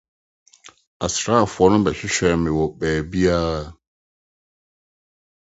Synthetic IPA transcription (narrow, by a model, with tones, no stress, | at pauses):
a˨sɾa˦a˨fʊ˨ɔ˦nʊ̃˦bɛ˨ɕᶣɪ˦ɕᶣɛ˨mɪ̃˨wɔ˨bɛː˨bi˦a˦˨